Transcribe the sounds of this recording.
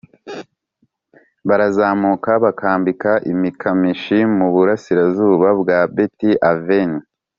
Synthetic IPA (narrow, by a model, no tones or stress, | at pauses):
βaɾazaːmukaβakaːmbikaʔimikʰamiʃimuβuɾasiɾazuːβabɡabetiʔaveni